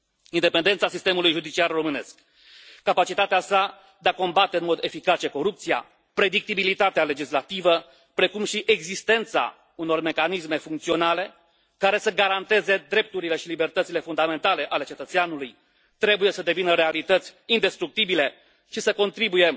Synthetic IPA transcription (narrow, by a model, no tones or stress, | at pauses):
ind̪e̞pe̞nd̪et̪sasist̪e̞mulujʒud̪it͡ʃiarro̞mɨne̞skː | apat͡ʃit̪at̪easa | d̪eako̞mbat̪eɨnmo̞d̪e̞fikat͡ʃe̞ko̞ɾup̚t̪sija̰ | pɾe̞d̪ik̚t̪ibilit̪at̪eale̞d͡ʒislat̪ivə | pɾe̞kumʃiʔe̞ɡzist̪e̞nt̪sa̰ | uno̞rme̞kanisme̞fuŋkt̪sio̞nale̞ | kaɾe̞səɡaɾant̪e̞ze̞d̪ɾe̞p̚t̪uɾile̞ʃilibe̞rt̪ət̪sile̞fund̪ame̞nt̪ale̞ʔale̞t͡ʃe̞t̪ət̪seanuluj | t̪ɾe̞buje̞səd̪e̞vinəɾe̞alit̪ət̪sʲind̪e̞st̪ɾuk̚t̪ibile̞ | ʃisəko̞nt̪ɾibuje̞